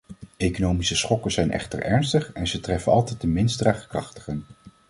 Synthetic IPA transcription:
ejkonowmisəsχɔkəzɛjnʔɛ̰χtə̰ɹɛ̰ɹnstəχɛnzətrɛfənɑlˠtɛjt̚dəmɪnsdraːχə̥krɑχtə̥χən

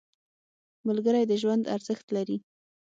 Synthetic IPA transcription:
mʊlɡəɾajd̪əʒwand̪a̰ɾz̥əxt̪laɾi

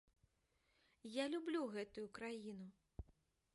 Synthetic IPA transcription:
jalʲublʲuɣɛt̪ujukɾajinu

